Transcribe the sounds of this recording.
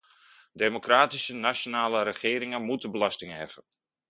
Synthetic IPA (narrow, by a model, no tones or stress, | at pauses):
demokraːtisənasjonaːləɾəχɪːɾɪŋənmutəbəlɑstɪŋəɦɛfən